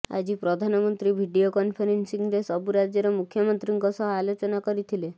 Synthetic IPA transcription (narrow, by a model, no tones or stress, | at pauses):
a̰d͡ʒipɾɔd̪ʱanɔmɔnt̪ɾibʱiɖijokɔnpʰɔɾensiŋɾesɔbuɾad͡ʒjɔɾɔmukʰːjɔmɔnt̪ɾiŋkɔsɔɦalot͡ʃɔnakɔɾit̪ʰile